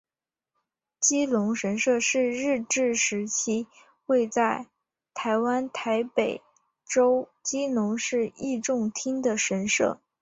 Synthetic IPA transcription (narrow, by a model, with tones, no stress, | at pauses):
t͡ɕi˥lʊ˧˥ŋʂə˧˥nʂɤ˥˧ʂɻ̩˥˧ɻɻ̩˥˧ʈ͡ʂɻ̩˥˩ʂɻ̩˧˥t͡ɕʰi˥ | xwe˥˧ɪt͡sa˥˩ɪ | t̪ʰa˧˥ɪwa˥nt̪ʰa˧˥ɪpe˨˩ɪ | ʈ͡ʂo˥ʊt͡ɕi˥lʊ˧˥ŋʂɻ̩˥˧i˥˧ʈ͡ʂʊ˥˩ŋt̪ʰi˥ŋd̪ə˨ʂə˧˥nʂɤ̰˥˩